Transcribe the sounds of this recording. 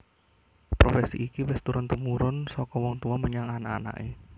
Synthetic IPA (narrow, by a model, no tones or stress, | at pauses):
pɾofɛsḭʔikiwɪst̪uɾʊnt̪umuɾʊnsɔkɔwɔŋt̪uɔməɲaŋanaa̰na̰ʔe